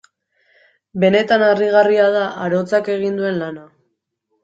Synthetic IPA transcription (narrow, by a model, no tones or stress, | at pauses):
be̞ne̞t̪anariɣ̞ariað̞aʔaɾo̞t͡sake̞ɣ̞ind̪ue̞nlana